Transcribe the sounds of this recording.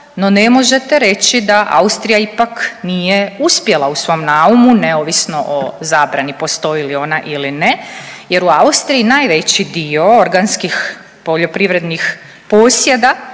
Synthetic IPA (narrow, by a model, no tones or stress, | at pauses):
no̞ne̞mo̞ʒe̞t̪eɾe̞t͡ɕid̪aʔa̰ust̪ɾijaipaknije̞uspje̞lˠausʋo̞mnaumuneoːʋisno̞ʔozaːbɾanipo̞st̪o̞ilio̞naʔilineje̞ɾuaust̪ɾijinaːjʋet͡ɕid̪io̞oɾɡanskix | po̞ʎo̞pɾiʋɾe̞d̪nix | poːsje̞d̪a